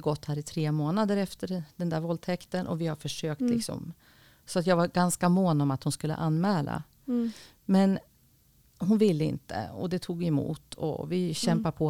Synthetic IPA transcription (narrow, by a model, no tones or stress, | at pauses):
ɡɔt̪ːhæːɾɪt̪ʰɾeːmoːnad̪əɾɛft̪əɾd̪ɛnd̪æːɾvɔlt̪ʰɛkt̪ənʔɔ̰vɪhaɾfœʂøːk̚t̪lɪksɔ̰m | sɔat̪jɑːɡvaɾɡanskamoːnɔmat̪hʊnskɵlːə̰ʔanːmɛːla̰ | mɛn | hʊnvɪlːəɪ̰nt̪ə̰ɔ̰d̪ɛt̪ʰuːɡɛmṵːt̪ʰɔ̰vɪɕɛmpaɾpʰɔ